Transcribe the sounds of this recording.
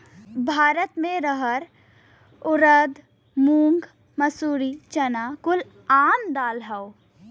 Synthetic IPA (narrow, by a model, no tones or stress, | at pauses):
bʱaːɾət̪mẽɾəɦəɾ | ʊɾəd̪ | muːŋɡ | məsuːɾit͡ʃɐnakʊl | aːnd̪aːlɦɛo